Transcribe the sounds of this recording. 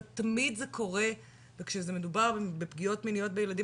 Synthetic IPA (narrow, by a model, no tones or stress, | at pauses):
t̪amid̪zekʰo̞ʁe̞ | vekʃezeme̞dubaʁbepɡio̞tminijo̞t̚bejeladi